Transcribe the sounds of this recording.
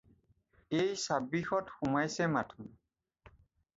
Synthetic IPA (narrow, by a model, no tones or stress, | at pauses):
ejsabixɔtxumajsɛmatʰʊm